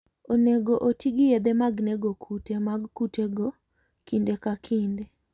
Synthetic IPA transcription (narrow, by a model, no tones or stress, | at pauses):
oneɡoʔotiɡijed̪emaɡneɡokʰutemaɡkuteɡo | kindekakʰinde